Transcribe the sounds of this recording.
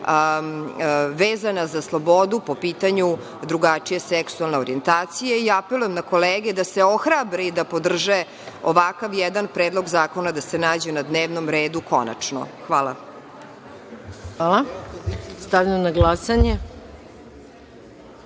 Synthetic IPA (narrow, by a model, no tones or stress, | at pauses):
ʋeːzanazaslˠobo̞d̪upo̞piːt̪aɲu | d̪ɾuɡat͡ʂije̞seksualˠne̞oɾie̞nt̪aːt̪sijeiapelujemnako̞leːɡed̪ase̞o̞xɾabɾeid̪apo̞d̪r̩ʒe | o̰ʋakaʋjɛd̪anpɾeːd̪lˠo̞ɡzaːko̞nad̪ase̞naːd͡ʑenad̪neːʋnomɾeːd̪uko̰na̰t͡ʂno̰xʋaːla̰ | aːlˠa | st̪aʋjmonaɡlasaɲe